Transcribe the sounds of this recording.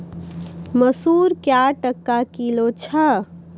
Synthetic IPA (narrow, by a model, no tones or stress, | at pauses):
məsuɾkjaʈəkːakilot͡ʃʰə